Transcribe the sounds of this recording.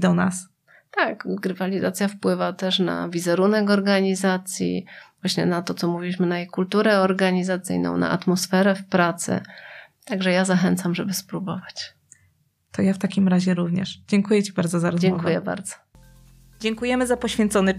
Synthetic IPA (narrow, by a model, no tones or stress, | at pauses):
d̪ɔna̰s | t̪akɡɾɨvalʲizat̪sʲjafpwɘvat̪ɛʂna̰vʲizɛɾunɛkɔɾɡaɲizat̪sʲjḭvwaɕɲɛ̰nat̪ɔt̪sɔmuvʲiwʲiɕmɘnajejkult̪uɾɛɔɾɡaɲizat̪sɘ̰jnɔ̰w̃na̰ʔa̰t̪mɔsfɛɾɛfpɾat̪sɘ̰t̪aɡʐɛjazaxɛnt̪samʐɛbɘspɾubɔvat͡ɕ | t̪ɔjaft̪akʲimɾaʑɛɾuvɲɛʂd͡ʑɛŋkujɛt͡ɕibaɾd̪zɔzaɾɔzɛŋkujɛba̰ɾd̪zɔ̥ | d͡ʑɛŋkujɛmɘzapɔɕfʲjɛnt̪sɔnɘ